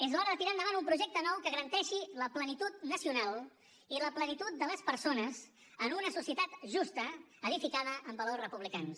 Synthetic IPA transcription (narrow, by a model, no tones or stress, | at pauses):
ezβaɾəðət̪iɾand̪əβanumpɾuʒɛk̚t̪ənɔwkəɣəɾənt̪ɛʃiləplənit̪ut̪nəsiunalˠ | iləplənit̪ut̪̚d̪ələspəɾsonəz | ənunəsusiət̪at̪ʒust̪ə | əðifikaðəʔːmbəlosrəpuβlikans